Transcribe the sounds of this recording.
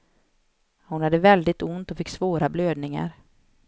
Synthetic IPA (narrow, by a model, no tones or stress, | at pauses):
hʊnhad̪ːəvɛld̪ɪt̪ʊnt̪ɔfɪkːsvoːɾabløːd̪nɪŋa̰ɾ